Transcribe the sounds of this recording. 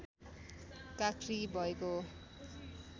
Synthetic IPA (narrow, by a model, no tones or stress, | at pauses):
kakʰribʱʌeko